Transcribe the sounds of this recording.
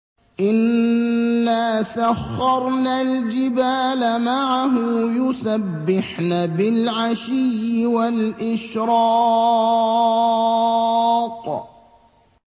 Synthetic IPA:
ʔɪnː | aːsaxːɑɾˤnald͡ʒɪbaːlamaʕaɦʊjʊsabːɪħnabɪlʕaʃɪjːɪwalʔɪʃɾɑː | t̪ˤ

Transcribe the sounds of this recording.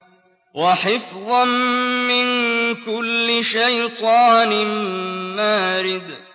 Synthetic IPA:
waħɪfðˤɑnmɪnkʊlːɪʃajt̪ˤɑːnɪmːaːɾɪd̪

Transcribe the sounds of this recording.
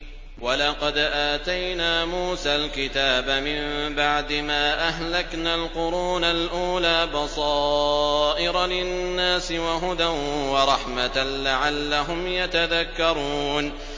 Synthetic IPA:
wɑlɑqɑd̪ʔaːt̪ajnaːmuːsaːlkɪt̪aːbamɪmbaʕd̪ɪmaːʔaɦlaknaːlqʊɾuːnalʔuːlaːbɑsˤɑːʔɪɾˤɑlɪnːaːsɪwaɦʊd̪anwɑɾˤɑħmalaʕalːaɦʊmjat̪aðakːɑɾˤuːn

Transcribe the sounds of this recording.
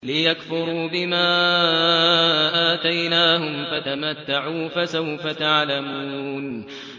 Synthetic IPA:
lɪjakfʊɾuːbɪmaː | ʔaːt̪ajnaːhʊmfat̪amat̪ːaʕuːfasawfat̪aʕlamuːn

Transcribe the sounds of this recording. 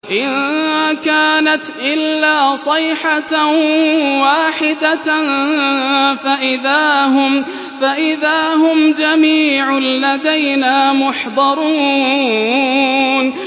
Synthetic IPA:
ʔɪnkaːnat̪ʔɪlːaːsˤɑjħa | waːħɪd̪an | faʔɪðaːhʊm | faʔɪðaːhʊmd͡ʒamiːʕʊlad̪ajnaːmʊħd̪ˤɑɾˤuː | n

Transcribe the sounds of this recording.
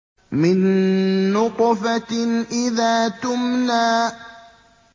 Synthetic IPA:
mɪnː | ʊqfaʔɪðaːt̪ʊmnaː

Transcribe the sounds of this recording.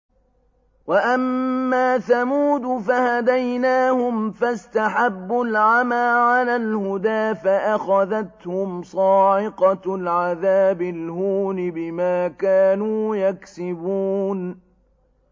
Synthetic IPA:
waʔamːaːθamuːd̪fahad̪ajnaːhʊmfast̪aħabːʊlʕamaːʕalaːlhʊd̪aːfaʔaxaðat̪hʊmsˤɑːʕɪqɑlʕaðaːbɪlhuːnɪbɪmaːkaːnuːjaksɪbuːn

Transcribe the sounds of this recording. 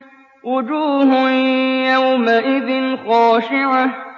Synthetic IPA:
wʊd͡ʒuːhʊnjawmaʔɪðɪnxaːʃɪʕa

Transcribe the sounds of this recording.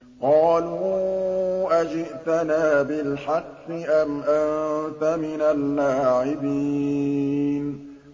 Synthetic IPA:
qɑːluː | ʔad͡ʒɪʔt̪anaːbɪlħɑqfɪʔamʔant̪amɪnalːaːʕɪbiː | n

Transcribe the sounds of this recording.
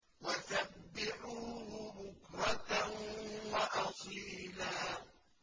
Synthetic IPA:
wasabːɪʕuːhʊbʊkɾˤɑt̪anwaʔɑsˤiːlaː

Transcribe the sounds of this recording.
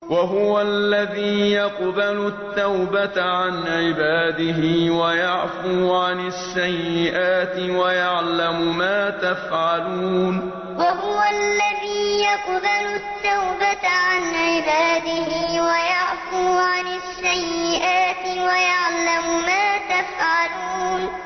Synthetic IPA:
waɦʊwalːaðiːjɑqbalʊt̪ːawbat̪ʕanʕɪbaːd̪ɪɦɪːwajaʕfuːʕanasːajːɪʔaːt̪ɪwajaʕlamʊmaːt̪afʕaluːn | waɦʊwalːaðiːjɑqbalʊt̪ːawbatʕanʕɪbaːd̪ɪhɪwajaʕfuːʕanaʃsːajːɪʔaːt̪ɪwajaʕlamʊmaːt̪afʕaluːn

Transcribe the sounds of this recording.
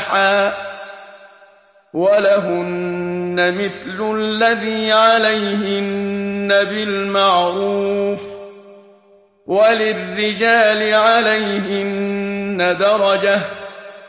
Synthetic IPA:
ħaː | walaɦʊnːamɪθlʊlːaðiːʕalajhɪnːabɪlmaʕɾuːf | walɪrːɪd͡ʒaːlɪʕalajɦɪnːad̪ɑɾˤɑd͡ʒah

